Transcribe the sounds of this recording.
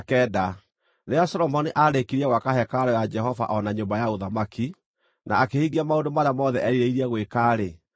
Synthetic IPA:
kɛːda | neasɔɾɔmɔniʔaɾekiɾiɛwakahɛkaɾɔjad͡ʒɛɦɔva̰ʔɔnaɲombajaoðamaki | na̰ːkehiɡiamaondomaɾeamɔðɛʔɛɾiɾeiɾiɛɣwekaːɾe

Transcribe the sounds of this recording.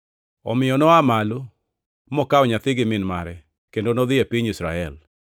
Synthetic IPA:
ɔ̰mɪjɔnɔamalo | mɔkaɔɲat̪ɪɡɪmɪnma̰ɾɛ | kendonɔðɪepiɲisɾa̰ɛl

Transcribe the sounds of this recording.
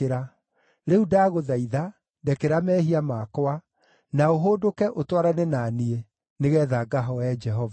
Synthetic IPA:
eɾa | ɾeudaːɣoðaiða | ndɛkeɾamɛːɦiamakɔa | naoɦoːdokɛʔotwaɾanɛnanie | neɣɛðaɡaɦɔɛd͡ʒɛɦɔva

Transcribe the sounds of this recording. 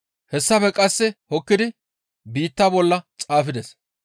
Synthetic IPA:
hɛsːɐfɛkʼɐsːɛhɔkːɪd̪ɪ | biːt̪ːabɔlːɐt͡sʼaːfɪd̪ɛs

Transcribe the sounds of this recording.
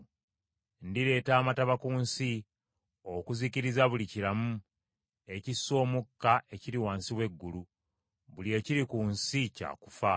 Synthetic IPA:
ndiɾe̞ːtaːmataβakuːnsi | okuziciɾizaβuliciɾamu | e̞ciso̞ːmukːaʔe̞ciɾiwaːnsiwe̞ɡːulu | βulie̞ːciɾikuːnsica̰ːku̥fa

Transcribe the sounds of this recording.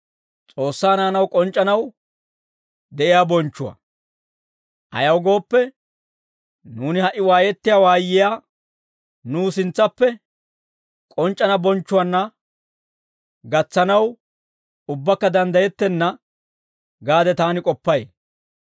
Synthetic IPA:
t͡sʼo̞ːsːaːnaːnɐwkʼɔnt͡ʃʼːɐnɐw | d̪ɛʔɪjaːbɔnt͡ʃːʊwɐ̰ | ʔɐ̰jɐwɡo̞ːpːɛ | nuːnɪhɐʔːɪwaːjɛt̪ːɪjawaːjːɪjaː | nuːsɪnt͡sːɐpːɛ | kʼɔnt͡ʃʼːɐnɐbɔnt͡ʃːʊwɐnːɐ | ɡɐt͡sːɐnɐw | ʊbːɐkːɐd̪ɐnd̪ɐjɛt̪ːɛnːɐ | ɡaːd̪ɛt̪aːnɪkʼɔpːɐje

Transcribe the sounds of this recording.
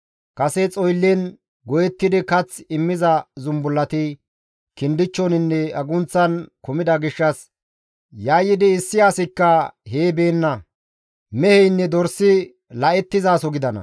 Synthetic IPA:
kɐsɛt͡sʼɔjlːɛn | ɡɔjɛt̪ːɪd̪ɪkɐt͡sɪmːɪzɐzʊmbʊlːɐt̪ɪ | kɪnd̪ɪt͡ʃːɔnɪnːɛɐɡʊnt͡sːɐnkʊmɪd̪ɐɡɪʃːɐs | jaːjːɪd̪ɪɪsːɪjaːsɪkːɐɦeːbe̞ːnːɐ | mɛhɛjnːɛd̪ɔɾsːɪ | lɐʔɛt̪ːɪzaːsɔɡɪd̪ɐnɐ̰

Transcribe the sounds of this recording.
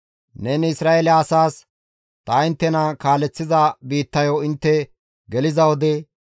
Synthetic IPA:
nɛnɪsɾaːʔelːsaːs | t̪aɪnt̪ːɛnɐkaːlɛt͡sːɪzɐbiːt̪ːɐjoɪnt̪ːɛ | ɡɛlɪzɐwɔd̪ɛ

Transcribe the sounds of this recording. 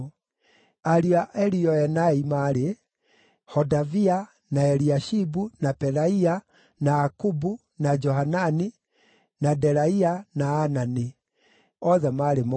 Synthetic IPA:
aɾiaʔɛɾiɔɛnaimaɾe | hɔdavia | naɛɾiaʃibunapɛɾaia | naakubu | nad͡ʒɔɦanani | nadɛɾaianaːnani | ɔðɛmaɾemo

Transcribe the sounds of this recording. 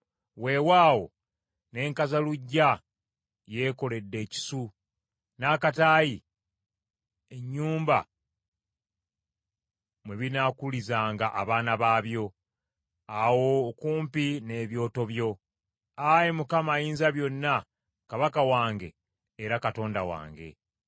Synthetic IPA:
we̞ːwaːwo̞̰ | ne̞ːŋkazaluɟːa | je̞ːko̞le̞dːe̞ːci̥su | nakataːji | eɲːuːmba̰ | mweβinakulizaːŋɡaʔaβaːnaβaːβjo̞ | awo̞ːkuːmpine̞ːβjo̞ːto̞βjo̞ | ajemukamajiːnzaβjo̞nːa | kaβakawaːŋɡe̞̰ː | ɾakato̞ːndawa̰ːŋɡe̞̰

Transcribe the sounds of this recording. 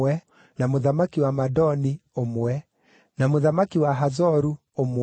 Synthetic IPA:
ɛ | namoðamakiwamadɔniomwɛ | namoðamakiwaɦazɔɾu | omw

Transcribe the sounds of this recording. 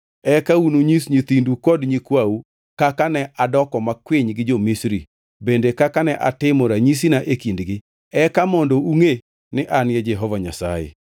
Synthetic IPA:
ɛkaunuɲisɲit̪indukɔdɲikwawu | kakanɛʔadɔkɔmakwiɲɡɪd͡ʒomisɾi | bendekakanɛʔatɪmoɾaɲisinaʔekindɡɪ | ɛkamɔndɔuŋe | nɪʔanjɛd͡ʒɛɦɔvaɲasa̰jḛ

